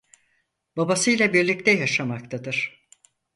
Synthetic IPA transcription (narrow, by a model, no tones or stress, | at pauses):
babasɯjlˠabiɾlʲic̚t̪ʰɛjaʃamak̚t̪ʰad̪ɯɾ̝̥